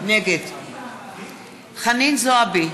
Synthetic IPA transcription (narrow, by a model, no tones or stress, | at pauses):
nɛɡed̪ | χaninzoabi